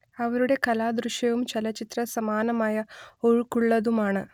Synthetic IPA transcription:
ɐʋɐɾuɽe̞kɐlaːd̪ɾuʂjɐʋumt͡ɕelɐt͡ɕit̪rɐsɐmaːnɐmaːjɐoɻukːuɭːɐðumaːɳɨ

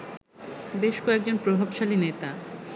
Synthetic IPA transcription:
beʃkɔek̚d͡ʑonpɾobʱabʃalinet̪a

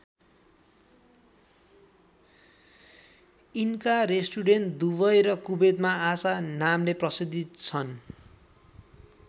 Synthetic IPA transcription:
inkaresʈuɖenʈd̪uβʌjɾʌkubet̪̚maːsanamleprʌsid̪ʱit̪t͡sʰʌn

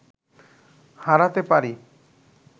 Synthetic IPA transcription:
haɾat̪epaɾi

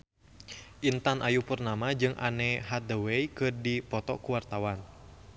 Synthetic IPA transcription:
ʔint̪anʔajupərnamad͡ʒɨŋʔa̰nɛɦaəwɛikɨrdipɔt̪ɔ̰kuwart̪awan

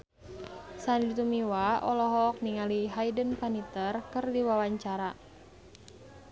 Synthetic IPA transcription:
sanlit̪umiwaʔɔlɔɦɔk̚niŋaliɦajdənpanit̪ərkərdiwawaɲt͡ʃaɾa

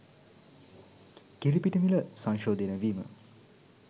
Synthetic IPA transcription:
kiɾipiʈəmiləsaŋʃoːd̪enəʋiːmə̰

